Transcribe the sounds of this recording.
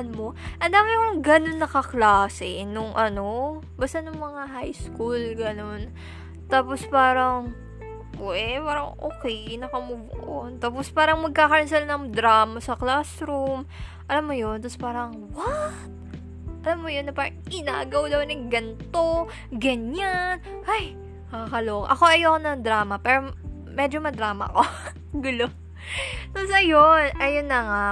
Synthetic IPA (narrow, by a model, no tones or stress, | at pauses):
nmo̞ʔɐnd̪aːmɪnkoŋɡɐno̞nːɐkɐklaːsɛnoŋʔɐno̞ | bast̪anʊŋmɐŋaɦajskulɡɐno̞n | t̪aːpo̞spaːɾɐŋ | ʔɛpaːɾɐŋʔo̰ːkɛjnɐkɐmʊbʊʔʔont̪aːpospaːɾɐŋmɐɡ̚kaːkɐɾɐnsɛlnɐŋd̪ɾaːmɐsɐklasɾum | ʔɐlamːojont̪ospaːɾɐŋ | wat̪̚ | ʔɐlamːojonːɐpaːɾɐŋʔɪna̰ːɡɐwd̪ɐwnɐŋɡɐnt̪o̞ | ɡɐɲan | haj | kɐkɐloːkʔɐko̞ʔɐjokonɐŋd̪ɾaːmɐpɛːɾo | mɛd͡ʒomɐd̪ɾaːmɐ̰ko̞ | ɡʊlo | t̪osɐjonʔɐjonːɐŋa